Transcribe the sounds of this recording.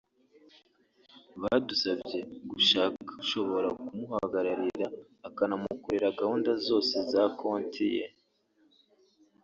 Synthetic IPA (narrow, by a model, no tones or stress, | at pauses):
βadusabɟe̞ɡuʃaːkaʃo̞βo̞ɾakumuhaɡaɾaɾiɾaː | kanamukoɾeɾaɡahuːndazo̞ːse̞zakʰo̞ːntʰijḛ